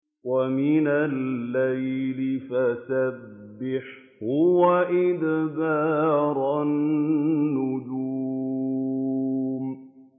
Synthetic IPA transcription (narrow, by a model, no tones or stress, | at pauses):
wamɪnalːajlɪfasabbːɪħ | hʊwaʔɪd̪baːɾˤɑnː | ʊd͡ʒu | m